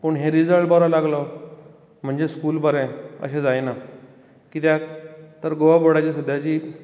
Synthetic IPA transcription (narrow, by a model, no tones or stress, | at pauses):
pəɳɦeɾid͡zəɭʈbɔɾalaɡlɔ | m̤əɳd͡zeskuːlbəɾɛ̃ə̰ɕẽd͡zajna | kit̪jakt̪əɾɡoʋaboɽat͡ɕisəd̪jat͡ɕiː